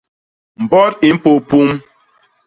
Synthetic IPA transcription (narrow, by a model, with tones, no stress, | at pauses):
m̩˨bɔ˦ɾi˨m̩˦po˨pu˦m